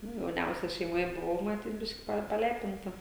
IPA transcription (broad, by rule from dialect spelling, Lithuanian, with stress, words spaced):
ˈnʊ jɛʊˈnʲɛʊsʲɛ ʃʲɛɪmoːˈjɛ bʊˈʋɐʊ mɐˈtʲiːt ˈbʲɪʃʲkʲɪ ˈpɐ pɐˈlʲæːpʲɪntɐ